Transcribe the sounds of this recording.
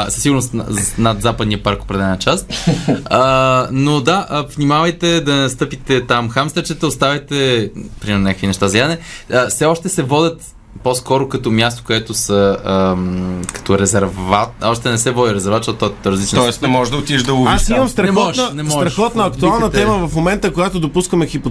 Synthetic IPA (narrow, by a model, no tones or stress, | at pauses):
səsiɡʊɾnosnɐd̪zapəd̪nijəpaɾko̥pɾɛd̪ɛlɛnɐt͡ʃas | ənod̪aəvnimavəjt̪ɛd̪ɐnɛnɐst̪ɤpit̪ɛt̪amxamst̪ɾt͡ʃɛt̪əʊst̪avʲɐjt̪ɛpɾimɛɾnɲʲakəkvinɛʃt̪azɡlad̪ənɛəfsɛɔʃt̪ɛsɛvɔd̪ʲət̪ | poskɔɾokɐt̪ɔmʲjast̪o̥koɛt̪ʊsəə | kɐ̥t̪ɔɾɛzɛɾvat̪̚ɔʃt̪ɛnɛsɛvɔd̪ʲiɾɛzɛɾvat̪ʃt̪ɔt̪t̪ɔɛt̪t̪ɾəzlit͡ʃnt̪ɔɛsnmɔʒd̪ɐot̪iɛʒd̪ɐɡʊvasimɐmst̪ɾɐnɛmɔʒnənɛmsɔʒɾɐʃxɔt̪nəɐkt̪ualˠnət̪ɛməvɐfmomɛnt̪əkoɡat̪od̪opuskəmɛxipo